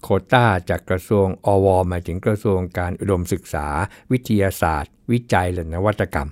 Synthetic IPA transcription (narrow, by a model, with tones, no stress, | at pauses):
kʰoː˧˩t̪aː˥˩˨t͡ɕaː˨˩kːɾa˧su˧əŋʔɔː˧wɔː˧maː˩˧˦jt̪ʰɯ˩˦ŋkɾa˧su˧əŋkaː˧nʔu˨˩do˧msɯ˨˩k̚sa̰ː˩˦wi˦˥t̪ʰi˧jaː˧sa̰ː˨˩t̪̚wi˦˥t͡ɕa˧jlɯ˨˧˩na˦˥wa˦˥t̪ʰːa˧ka̰˧m